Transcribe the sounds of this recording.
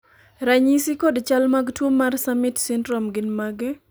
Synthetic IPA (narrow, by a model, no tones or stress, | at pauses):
ɾaɲisikɔdt͡ʃalmaɡtwomːarsamɪtsɪndɾɔmɡɪnmaɡɛ